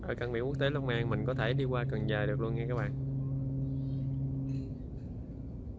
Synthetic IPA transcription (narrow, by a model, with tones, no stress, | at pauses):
ʔəː˧˩kaː˧˩ɓḭ˧˨ku˦˥k̚t̪e˨˦la˧wŋ͡mmaː˧ŋmï˨˩ŋ̟kɔ˨˦t̪ʰe˧˩ɗi˧kwaː˧kə˨˩nzəː˨˩ɗɨ˨˩ək̚lu˧əŋa˧kaː˦˥k̚ɓa̰ː˧˨ʔ